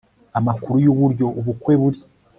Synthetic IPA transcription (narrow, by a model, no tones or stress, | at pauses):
amakuɾujuβuɾɟo̞uβukwe̞βuɾi